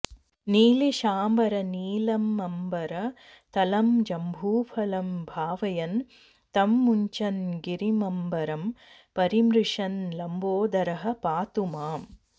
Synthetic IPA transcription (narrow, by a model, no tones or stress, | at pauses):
niːliʃaːmbɐɾɐniːlɐmːɐmbɐɾɐt̪ɐlɐmd͡ʒɐmbʱuːpʰɐlɐmbʱaːʋɐjɐn | t̪ɐmːuɲt͡ʃɐnɡiɾimɐmbɐɾɐm | pɐɾimɾuʂɐnlɐmboːd̪ɐɾɐɦɐ̆paːt̪umaːm